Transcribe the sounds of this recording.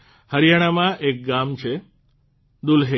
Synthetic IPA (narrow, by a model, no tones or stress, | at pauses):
həɾijaɽ̃amãʔek̚ɡamt͡ʃʰe | d̪ulɦe